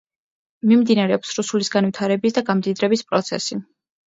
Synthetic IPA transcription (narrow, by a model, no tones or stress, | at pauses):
mimd̪inaɾɛɔpsɾusulisɡanvwit̪ʰaɾɛbisd̪aɡamd̪id̪ɾɛbispʼɾɔt̪sʰɛsi